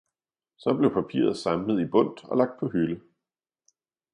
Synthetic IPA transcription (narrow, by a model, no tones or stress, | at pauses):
sɒ̽b̥le̝ʊpʰæpʰḭːɐð̞̩ˠsɑ̈mləð̞̩ˠib̥ɔ̽n̰d̥ɒ̽lɑ̈ɡ̥̚d̥̚pʰɒ̽ɦylə